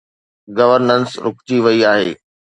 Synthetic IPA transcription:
ɡɐʋəɾnənsɾʊkt͡ɕiʋɐiaːɦḛː

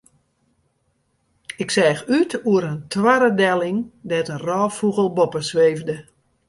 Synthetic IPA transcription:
ɪksɛːxytuəɾəntʰwaɾədɛlˠɪŋdɛtənrɔːfuɣəlˠbɔpəsʋeːvdə

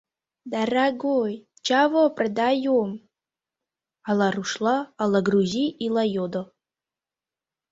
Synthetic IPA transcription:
d̪araɡoj | t͡ʃavoprad̪ajom | alˠaruʃlˠaːlˠaɡruziilˠajod̪o

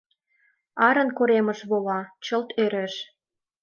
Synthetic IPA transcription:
ɑɾə̆nkoɾemə̆ʃβolɑt͡ɕə̆lt̪ʰøɾĕʃ

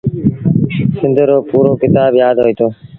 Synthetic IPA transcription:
sɪ̃nd̪ʱɾoːpuːɾoːkɪt̪aːbjaːd̪ɦoːiːt̪ʰoː

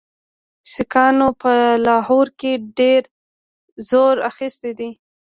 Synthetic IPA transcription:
sɪkɑnopəlɑhoɾkeɖeɾ | zoɾaxist̪ed̪i

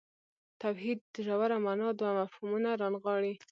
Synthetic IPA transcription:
t̪awhid̪̚əʒawaɾamanɑd̪wamafhumunaɾɑnɣɑɽi

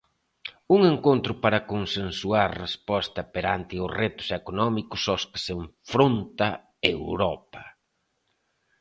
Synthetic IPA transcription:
uŋeŋkont̪ɾʊpaɾɐkonsensuaɾrespɔst̪ɐpeɾant̪ɪʊsret̪ʊ̥sekonɔmikʊsɔskɪ̥seɱfɾont̪ɐ | ewɾɔpɐ

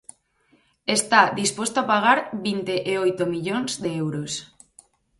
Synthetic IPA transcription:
est̪aðispost̪oapaɣ̞aɾβint̪eʔeojt̪omiʎonzðeewɾos

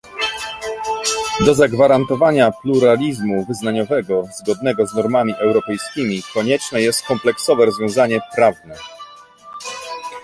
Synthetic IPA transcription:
d̪ɔzaɡvaɾant̪ɔvaɲapluɾalʲizmuvɘznaɲɔvɛɡɔzɡɔd̪nɛɡɔznɔɾmamʲiʔɛwɾɔpɛjskʲimʲikɔɲɛt͡ʂnɛjɛst̪̚kɔmplɛksɔvɛɾɔzvjɔ̃w̃zaɲɛpɾavnɛ

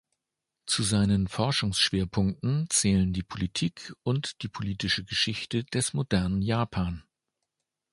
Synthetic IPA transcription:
t͡suzaɪnənfɔɐʃʊŋsʃv̥eːɐpʰʊŋk̚tn̩t͡sɛːləndiːpʰolitʰiːkʔʊntd̥iːpʰoliːtɪʃəɡəʃɪçtəd̥ɛsmodɛɐnənjaːpʰaːn

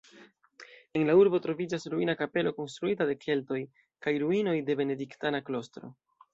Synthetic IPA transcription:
e̞nlauɾbo̞tɾo̞vid͡ʒasɾuinakape̞lo̞ko̞nst̪ɾuitade̞kʰe̞lto̞j | kajɾuino̞jde̞be̞ne̞diktanaklo̞stɾo̞̰

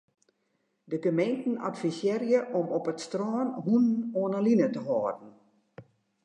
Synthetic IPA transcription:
dəɡəmejntn̩a̰tfisjeːrjəʔɔmɔpətstrɔːnɦunnoːnəlinətəɦɔːdn̩

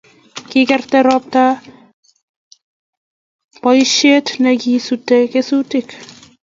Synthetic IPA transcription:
kɪkɛrtɛɾɔp̚ta | pɔiʃetnɛkisutɛkesutɪk

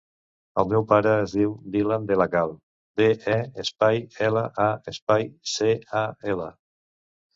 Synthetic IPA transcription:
əlˠmɛwpaɾəːzðiwd̪iland̪elaɣalˠ | deʔɛəspajɛləʔaespajseaɛlə̰

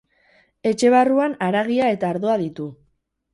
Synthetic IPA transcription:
e̞t͡ʃe̞β̞aruanaɾaɣiae̞t̪aːɾðoaðit̪u

